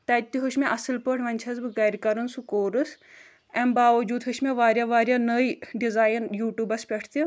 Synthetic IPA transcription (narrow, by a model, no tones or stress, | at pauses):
t̪ɐːt̪ːiɦuʃmeʔɐsɨlpəʈʰʋɐnʲt͡ʃʰɐzbɨɡɐɾʲkɐɾɐnsukoːɾɨs | ɛmbaːʋɐd͡ʒuːd̪ɦuʃmeʋaːɾʲjaːʋaːɾʲjanəjɖizaːjnjuːʈjuːbɐspʲɐʈʰt̪i